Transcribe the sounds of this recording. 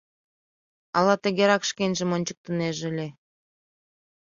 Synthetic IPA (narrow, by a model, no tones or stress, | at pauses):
ɑlˠɑt̪ʲĕɡʲeɾɑkʃkʲenʲʒɘ̆monʲt͡ɕɤ̆k̚t̪ɤ̆neʒɘ̆lʲe